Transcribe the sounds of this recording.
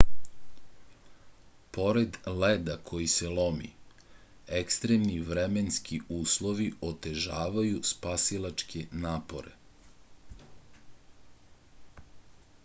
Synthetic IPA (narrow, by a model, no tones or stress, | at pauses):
po̞ɾed̪led̪akʰo̞jiselˠo̞mḭ | ekst̪ɾemniʋɾemenskiuːslˠo̞ʋio̞t̪e̞ʒaːʋajuspasilˠat͡ʃkʰenaːpo̞ɾḛ